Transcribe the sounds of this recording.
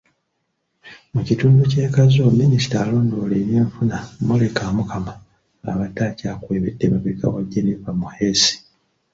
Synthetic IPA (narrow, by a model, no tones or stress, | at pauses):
mucituːnduce̞ːkazominisi̥taːlo̞ːndo̞leɾjeːɱfunamolekaːmukʰama | a̰βatːaːcaːkweːβedːemaβika̰waɟːenevamuhe̞si̥